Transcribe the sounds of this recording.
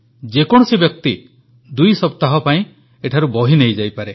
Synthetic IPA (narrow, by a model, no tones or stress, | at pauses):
d͡ʒekɔɽ̃ɔsibjɔk̚t̪i | d̪ujsɔpt̪aɦɔpaĩ | eʈʰaɾubɔɦinejd͡ʒajpaɾe